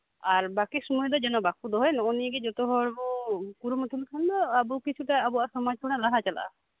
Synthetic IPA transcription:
aɾbakisumɔjd̪ɔd͡ʒɛnɔbakud̪ɔɦɔjnɔɔniɡɛd͡ʒɔt̪ɔɦɔɽbukuɾumɔt̪ʰilʰand̪ɔabukit͡ʃʰuʈaːbɔasɔmad͡ʒkʰɔnalaɦat͡ʃala̰ʔa̰

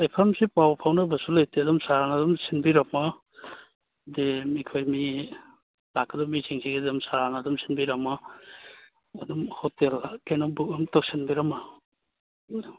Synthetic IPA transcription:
ajpʰamsipawpʰawnabasulajteɐdumsaɾanadumsinbiɾama | demikʰojmi | lakːadɔmisʰiŋsʰiɡedumsaɾanadumsinbiɾama | dumhɔtelakejnɔbukamtɔk̚sinbiɾama

